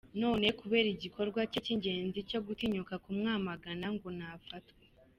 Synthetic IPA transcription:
no̞ːne̞kuβe̞ːɾiɟikʰo̞ɾɡwaceciɲɟe̞ːnzico̞ɡutiɲukakumŋaːmaɡanaŋɡonafatkwe

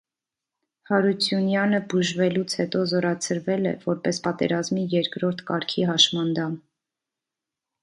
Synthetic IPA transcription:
hɑɾut͡sʰjunjɑnəbuʒvɛlut͡sʰhɛt̪ɔzɔɾɑt͡sʰəɾvɛlɛ̰vɔɾpɛspɑt̪ɛ̰ɾɑzmijɛɾkɾɔɾt̪ʰkɑɾkʰiɦɑʃmɑnd̪ɑm

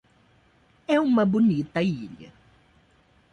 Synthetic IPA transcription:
ɛũmɐbunit̪ɐiʎɐ̰

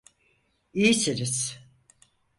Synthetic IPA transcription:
ijisiɾiz̥

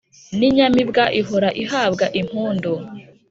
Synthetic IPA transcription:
niɲamibɡaʔiɦoɾaʔiɦaːbɡaʔim̥huːndo

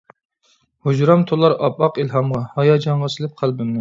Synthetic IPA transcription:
hud͡ʒɾɑmt̪ʰolˠɑɾɑpɑqilɦɑmʁɑhɑjɑd͡ʒɑɴʁɑsɨlˠɪp̚qʰælˠbɪmnɪ

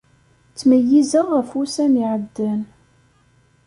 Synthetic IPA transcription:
t͡sːməjizəʁəfusæmiʕəd̪ːən

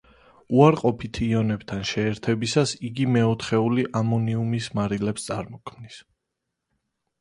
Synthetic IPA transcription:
uaɾqʼɔpʰit̪ʰiɔnɛbt̪ʰanʃɛːɾt̪ʰɛbisasiɡimɛɔt̪χɛuliʔamɔniumismaɾilɛpst̪sʼaɾmɔkʰmnis

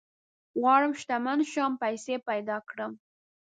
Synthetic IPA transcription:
wɑɽəmʃt̪amanʃɑmpajsepajd̪ɑkɽəm

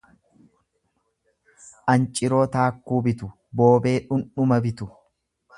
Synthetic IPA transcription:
ʔɐnt͡ʃʼɪɾo̞ːt̪aːkːuːbɪt̪ʊ | bo̞ːbe̞ːᶑʊnʊmɐbɪt̪ʊ

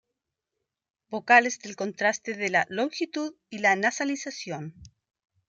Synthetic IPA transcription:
bo̞kalezðe̞lko̞nt̪ɾast̪eðelalõ̞ŋxit̪uð | ilanasalisasjo̞n

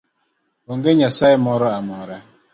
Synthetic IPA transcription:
oŋ̩ɡeɲasaɪmɔɾɔamɔɾa

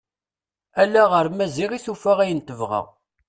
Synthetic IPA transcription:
ælːæʁəɾmæziʁiθufæʁæjənt̪əvʁæ̰

